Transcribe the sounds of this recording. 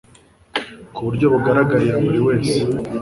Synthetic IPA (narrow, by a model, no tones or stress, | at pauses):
kuβuɾɟo̞βuɡaɾaɡaɾijaβuɾiwe̞ːse